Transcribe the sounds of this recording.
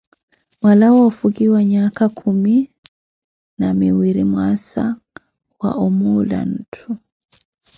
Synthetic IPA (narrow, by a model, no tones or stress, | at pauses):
walawafuɡiwaɲakakʰumi | namiwiɾimwasa | wa̰ʔɔmula̰n̩tʰu